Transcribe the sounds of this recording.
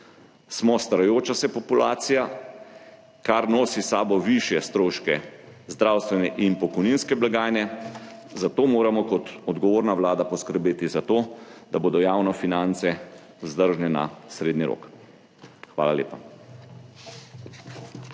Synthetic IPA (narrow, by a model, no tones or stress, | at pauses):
smɔst̪aɾajoːt͡ʃasɛpɔpula̰ːt̪sija | kaɾnoːsisaːbɔʋiʃjɛst̪ɾoːʃkɛzd̪ɾaːwst̪ʋɛnɛʔinpɔkɔjninskɛblaɡaːjnɛzat̪oːmoːɾamɔkɔt̪ɔd̪ɡɔʋoːɾnaʋlaːd̪apɔskəɾbeːt̪izat̪oːd̪aboːd̪ɔjaːwnɔfinant̪sɛ | uzd̪əɾʒnɛna̰sɾeːd̪niɾo̰ːk | xʋa̰ːlalḛːpa